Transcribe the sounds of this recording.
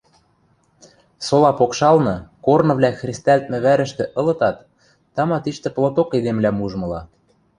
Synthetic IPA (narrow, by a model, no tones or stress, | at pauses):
solɑpokʃɑlnɤ̆kornɤ̆βlʲæxrʲist̪ælt̪̚mɘ̆βæɾə̆ʃt̪ĕʔɤ̆lɤ̆t̪ɑt̪ː | ɑmɑt̪iʃt̪ɘ̆plˠot̪oked̪emlæmuʒmɤ̆lɑ